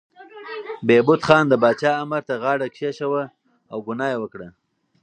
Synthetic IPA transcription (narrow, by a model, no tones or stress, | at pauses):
bebʊt̪xɑnd̪əbɑːt͡ʃɑamaɾt̪aɣɑɽakʃeʃawə | awɡʊnɑjawəkɽa